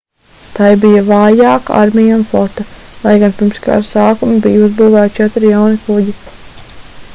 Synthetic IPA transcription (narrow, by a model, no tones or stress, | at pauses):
t̪ajbijavaːjaːka̰a̰ɾmijaunflˠɔt̪alˠajɡanpiɾmska̰ɾsaːkumibijuzbuːvæːt̪t͡ʃɛt̪ɾjawnikuɟi